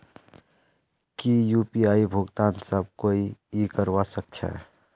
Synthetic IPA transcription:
kijupiaːibʱʊɡt̪aːnsəb̚koːiikəɾwasək̚t͡ʃʰɛ̰

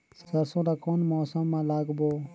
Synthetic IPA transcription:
skəɾsõːd̪aːkoːnmɔːsəmːãːlaːɡboː

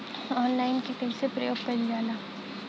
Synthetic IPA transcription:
ɔːnlaːɪnkiʈemsepɾɐ̰jo̰ːɡ̚pɐɾd͡ʒaːlaː

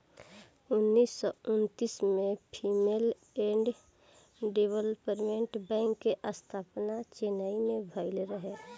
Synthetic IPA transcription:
ʊnːisːɔʊnt̪ismẽpʰimel | ẽːɳɖ | ɖewəlpəɾmẽʈbɛ̃ːŋkːeʔəst̪ʰaːpnat͡ʃenaimebʱəɪlɾəɦɛ

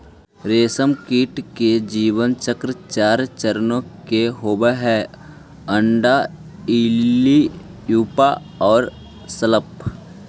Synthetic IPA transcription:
ɾeːsəmkiːʈked͡ʒiːʋənt͡ʃəkɾət͡ʃaːɾt͡ʃəɾnõkeɦoːbeɦɛ | ə̃ɳɖa | ilijuːpa | ɔːɾ | sələp

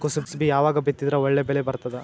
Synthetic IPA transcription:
kosupsbijaːʋaːɡɐbet̪ːid̪ɾɐɔɭːebɛlebɐɾt̪ɐd̪ɛ

